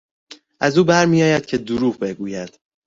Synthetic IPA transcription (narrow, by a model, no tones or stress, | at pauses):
ʔæzuːbæɾmijɒːjæd̪̥̚cʰe̞d̪uɾuːɣbe̞ɡuːjæd̪̥